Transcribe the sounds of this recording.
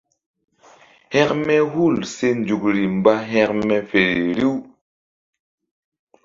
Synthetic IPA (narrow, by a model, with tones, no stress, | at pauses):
hɛ˦kmɛ˦hu˦˨lse˦nd͡ʒu˨kɾi˨m˨ba˦ɦɛ˦kmɛ˦fe˨ɾi˨ɾi˦w